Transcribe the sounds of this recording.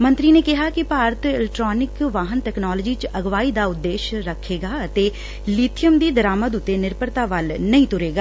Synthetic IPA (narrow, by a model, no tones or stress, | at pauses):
mə̃nt̪ɾiːneːkɪɦaːkɪpaːɾət̪ɪlɛkʈɾɔːnɪkʋaːɦənt̪ɛːknaːlːd͡ʒiːt͡ʃəɡʋaːiːd̪aːʊd̪ːeːʃɾəkʰːeːɡaːət̪eː | liːt̪ʰɪjəmd̪iːd̪əɾaːməd̪ʊt̪ːeːnɪɾpəɾt̪aːʋəlnəĩːt̪ʊɾeːɡaː